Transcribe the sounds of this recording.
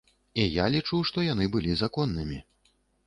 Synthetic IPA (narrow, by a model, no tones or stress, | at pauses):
ijalʲit͡ʂuwʂt̪ɔjan̪ɨbɨlʲizakɔnːɨmʲi